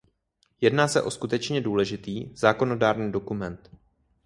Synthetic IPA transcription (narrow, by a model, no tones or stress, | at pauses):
jɛdnaːsɛʔo̞skut̪ɛt͡ʃɲɛduːlɛʒɪt̪iːz̥aːko̞no̞daːɾɲiːdo̞kumɛnt̪